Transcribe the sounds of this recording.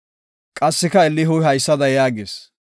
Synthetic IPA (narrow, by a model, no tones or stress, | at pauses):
kʼɐsːɪkɐɛlːɪɦʊjɦɐjsːɐd̪ɐjaːɡeːs